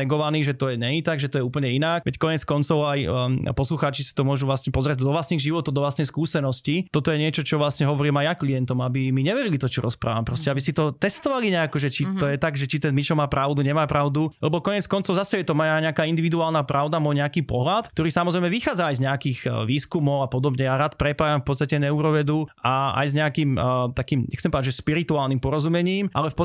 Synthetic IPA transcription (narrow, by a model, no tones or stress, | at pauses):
ɛɡɔʋaniːɣʒɛt̪ɔjɛɲɛɲit̪aɡʒɛt̪ɔjɛuːpəɲɛinak̚ʋʔɛckɔɲɛt͡skɔnt͡sɔʊajpɔsluxaːt͡ʃisi̥t̪ɔmʊɔʒuvlasɲɛpɔzɾɪɛɟd̪ɔʋlast̪niɣʒiʋɔt̪ɔʊd̪ɔʋlast̪nɛjskuːsɛnɔscit̪ɔt̪ɔjɛɲɪɛt͡ʃɔt͡ʃɔʋlasɲɛɦɔʋɔɾiːmajːaklijɛnt̪ɔmabimiɲɛʋɛɾilit̪ɔt͡ʃɔɾɔspɾa̰ːʋampɾɔscɛabisit̪ɔt̪ɛst̪ɔʋaliɲɛakɔʒɛt͡ʃit̪ɔjɛt̪aɡʒɛt͡ʃit̪ɛnmit͡ʃɔmaːpɾaʊd̪uɲɛmaːpɾaʊd̪ulɛbɔkɔɲɪɛt͡skɔnt͡sɔʊzasɛjɛt̪ɔmajaɲɛakaːind̪iʋid̪uaːlnaːpɾʔaʊd̪amɔjɲɛakiːpɔɦlat̪t̪ɔɾiːsamɔzɾɛjmɛʋixaːd͡zaːjzɲɛakiːɣʋiːskumɔʊapɔd̪ɔbɲɛjaɾaːt̪pɾɛpaːjamfpɔt͡sst̪acɛnɛuɾɔʋɛd̪uaa̰jzɲɛakiːmt̪akiːmɲʔɛ̰kt͡ssɛmpɔd̪ad͡ʒʒɛʃpiɾit̪uaːlˠnimpɔɾɔzumɛɲiːmʔa̰lɛfpɔ